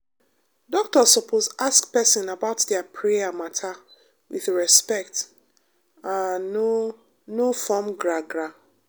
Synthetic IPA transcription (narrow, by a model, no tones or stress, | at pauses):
dɔk̚tɔsɔpʰozʔaskpɛsɔ̃nabaʊtdɛpʰɹɛjamatʰa | wḭðɹɛspɛkt | ao | nofɔmɡɹaɡɹa